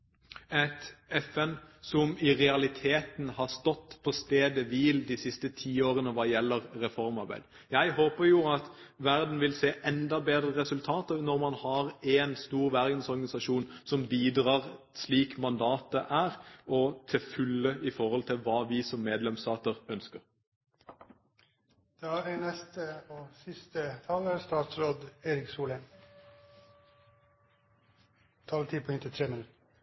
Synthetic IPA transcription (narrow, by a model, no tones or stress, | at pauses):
ɛt̪ɛfɛnsɔmɪʁɛɑlɪt̪ʰeːt̪nhɑʁst̪ɔt̪ːpʰɔst̪eːd̪əʋɪld̪ɪsɪst̪ət̪ʰiːoːɾənəʋɑːjɛlːəʁːɛfɔɾmɑɾbæ̰ɪd̪ | jæɪɦoːpəɾjʊɑt̪ʋæɾd̪n̩ʋɪlseːʔɛnd̪ɑbeːd̪ɾəɾɛsʉlt̪ʰɑːt̪ənɔɾmɑnhɑɾɛnst̪uːɾʋæɾd̪n̩sɔɾɡɑnɪsɑʃuːnsɔmbiːd̪ʁɑːʁ | sliːkmɑnd̪ɑːt̪̚əʔæːʁɔt̪ʰɪfʉlːəɪfɔʁhɔlt̪ʰɪlʋɑːʋiːsɔmːeːd̪lɛmst̪ɑːt̪əʁœnskəʁ | d̪̥ɛæenɛst̪əoːsɪst̪ət̪ʰɑləst̪ɑːt̪sɾoːd̪eːɾɪksuːlə | t̪ʰɑːlət̪ʰiːpʰɔʏnt̪ət̪ʰɾɛməl